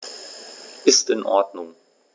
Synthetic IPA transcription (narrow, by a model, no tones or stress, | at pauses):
ʔɪstɪnʔɔɐdnʊŋ